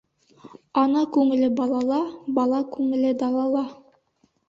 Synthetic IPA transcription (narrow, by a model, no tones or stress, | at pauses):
ɑnɑkʉŋɘ̆lɘbɑlˠɑlˠɑbɑlˠɑkʉŋɘ̆lɘd̪ɑlˠɑlˠɑ